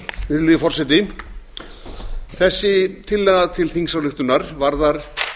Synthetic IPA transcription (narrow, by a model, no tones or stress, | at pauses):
vɪɾlifɔrsɛt̪ɪ | θɛsːɪt̪ʰɪlːɛɣat̪ʰɪlθiŋsawlɪxt̪ʏnaɾ̥vaɾðaɾ̥